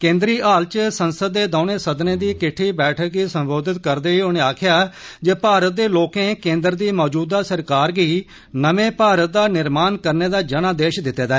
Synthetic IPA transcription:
kẽːnd̪ɾiːʔaːlt͡ʃsənsəd̪ːeːd̪aːnẽːsəd̪nẽːd̪iːkɪʈʰːiːbɛːʈʰəkɡiːsəmboːd̪ɪt̪kəɾd̪eːiːonẽːaːkʰɪjaːd͡ʒeːpaːɾət̪̚d̪eːloːkẽːkẽːnd̪əɾd̪iːmɔːd͡ʒuːd̪aːsəɾkaːɾɡiː | nəʋẽːpaːɾət̪̚d̪aːnɪɾmaːnkəɾneːd̪aːd͡ʒəɽ̃aːd̪eːʃd̪ɪt̪ːeːd̪aːɛ

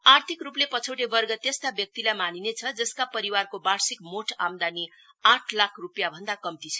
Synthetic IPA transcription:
art̪ʰikruplepʌt͡sʰowʈebʌrɡʌt̪est̪abjʌk̚t̪ilajmaninet͡sʰʌd͡zʌskapʌɾiwarkobarsikmoʈʰamd̪ani | ãʈʰlakʰrupjabʱʌnd̪akʌmt̪it͡sʰʌ̥

